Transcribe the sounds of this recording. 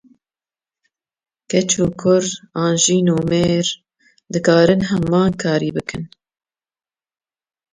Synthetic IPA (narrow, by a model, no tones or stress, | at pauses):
kɛt͡ʃʰuːkʰʊɾɑːnʒiːnuːmeːɾ | d̪ɨkʰɑːɾɨnɦɛmɑːnkʰɑːɾiːbɨkʰɨn